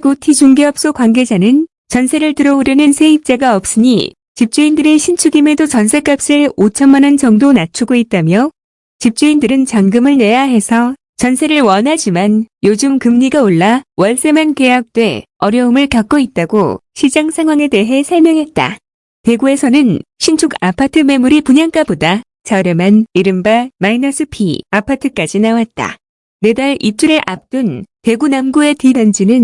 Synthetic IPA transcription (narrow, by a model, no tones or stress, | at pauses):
ɡotʰid͡ʑuŋɡeʌp̚s͈okwanɡe̞d͡ʑanɯn | t͡ɕʌnsʰe̞ɾɯɭtɯɾʌoɾjʌnɯnsʰe̞ip̚t͡ɕ͈aɡaʌp̚s͈ɯɲḭ | t͡ɕip̚t͡ɕ͈uindɯɾe̞ɕʰint͡ɕʰuɡime̞dot͡ɕʌnsʰe̞k͈ap̚s͈eɭot͡ɕʰʌnmanʌnt͡ɕʌŋdonat͡ɕʰuɡoit̚t͈amjʌ | t͡ɕip̚t͡ɕ͈uindɯɾɯnt͡ɕaŋɡɯmɯɭne̞jaɦe̞sʰʌ | t͡ɕʌnsʰe̞ɾɯɭwʌnɦad͡ʑimanjod͡ʑɯmkɯmɲiɡaoɭːawʌɭs͈e̞manke̞ɦak̚t͈we̞̰ | ʌɾjʌɯmɯɭkak͈oit̚t͈aɡoɕʰid͡ʑaŋsʰaŋɦwaŋe̞de̞ɦe̞sʰʌɭmjʌŋɦe̞t̚t͈a̰ | te̞ɡue̞sʰʌnɯnɕʰint͡ɕʰuɡapʰatʰɯme̞muɾipuɲaŋk͈aboda | t͡ɕaɯɾɯmaniɾɯmbamainʌsʰɯpʰḭapʰatʰɯk͈ad͡ʑinawat̚t͈a̰ | ne̞daɾip̚t͡ɕ͈uɾeʔap̚t͈unte̞ɡunamɡue̞tibjʌnd͡ʑinɯn